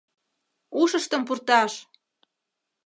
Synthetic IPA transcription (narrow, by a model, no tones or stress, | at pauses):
uʃə̆ʃt̪ə̆mpurt̪ɑʃ